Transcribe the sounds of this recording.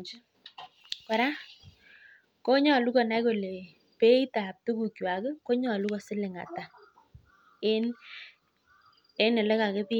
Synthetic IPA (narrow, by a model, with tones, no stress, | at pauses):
d͡ʒ | kɔ˨ɾa˦ | ko˦ɲɔ˨lu˦kɔ˨na˦ko˨le˨ | pe˦i˦ta˨p̚to˦ku˨kjwa˨kɪ˦ko˦ɲɔ˨lu˦kɔ˨sɪ˦lɪ˨ŋa̰˨ta˨ | e˦n | e˦nɛ˨lɛ˦ka˨kɛ˦pi˦